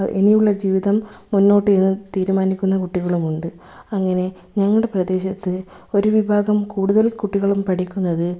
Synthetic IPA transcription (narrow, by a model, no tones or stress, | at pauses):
ḛnijuɭːɐd͡ʑiːʋiðɐmːunːo̞ːʈːɨenːɨt̪iːɾumaːnikʲːunːɐkuʈːiɣɐɭumuɳɖɨ | ɐŋːɐne̞ | ɲɐŋːɐɭɽe̞prɐðe̞ːɕɐt̪ːɨ | o̞ɾuʋibʱaːɡɐmkuːɽuðɐlkuʈːiɣɐɭumpɐʈikʲːunːɐðɨ